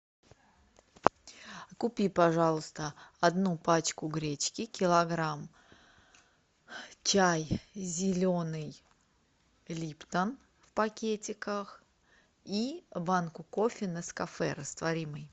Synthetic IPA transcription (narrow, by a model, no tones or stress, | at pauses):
kʊpʲipɐʐɑlˠʊst̪əɐd̪nupat͡ɕkʊɡɾʲet͡ɕkʲɪkʲɪlˠɐɡɾam | t͡ɕajzʲɪlʲonɨj | lʲipt̪ən | fpɐkʲetʲɪkəx | ibankʊkofʲɪnəskɐfɛ̰ɾəst̪vɐɾʲimɨj